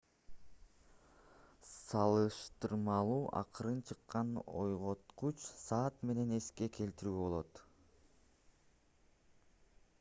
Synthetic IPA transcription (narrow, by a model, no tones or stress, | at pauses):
sɑlˠɯʃt̪ɯɾmɑlˠuːʔɑ̰qɯɾɯnt͡ʃʰɯqːɑno̞jʁo̞t̪qut͡ʃsɑːt̪me̞ne̞ne̞ske̞kʰe̞lt̪iɾyːbo̞lˠo̞t̪